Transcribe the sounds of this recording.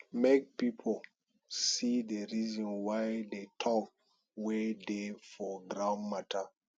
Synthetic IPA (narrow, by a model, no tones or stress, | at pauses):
mek̚pipʰol | sideɹizɔ̃nwajdetʰɔk | wedefɔɡɾãʊ̃nmatʰa